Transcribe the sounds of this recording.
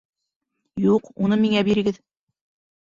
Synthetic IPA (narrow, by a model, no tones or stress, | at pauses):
juqunɤmiŋæbiɾɘ̆ɡɘð